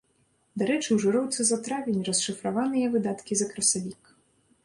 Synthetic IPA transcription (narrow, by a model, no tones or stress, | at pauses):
d̪aɾɛt͡ʂɨwʐɨɾɔwt̪sɨzat̪ɾavʲenʲrɐsʂɨfɾavanɨjɐvɨd̪at̪kʲizɐkɾɐsavʲik